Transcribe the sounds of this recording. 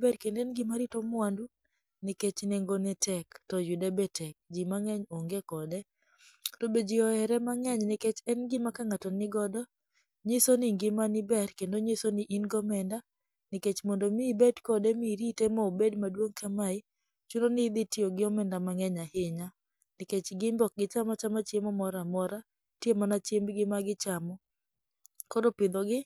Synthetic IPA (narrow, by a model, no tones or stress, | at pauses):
bɛɾkendɛnɡɪmaɾitɔmʊwandu | nɪket͡ʃneŋɡonɛtʰɛktɔjudɛbetɛk̚d͡ʒimaŋɛɲoŋɡekɔdɛ | tobed͡ʒiɔɛɾɛmaŋɛɲnɪket͡ʃɛnɡɪmakaŋatɔnɪɡɔdɔ | ɲisoniŋɡɪmanɪbɛɾkendoɲisoniʔinɡɔmɛnda | nɪket͡ʃmɔndomibɛdkɔdemiɾitemɔobedmadwoŋkamaɪ | t͡ʃunonɪd̪ɪtioɡɪɔmɛndamaŋɛɲahɪɲa | nɪket͡ʃɡɪmbɔk̚ɡɪt͡ʃamɔt͡ʃamat͡ʃemɔmɔɾamɔɾa | tjemanat͡ʃembɡɪmaɡɪt͡ʃamɔ | kodopɪd̪ɔɡɪ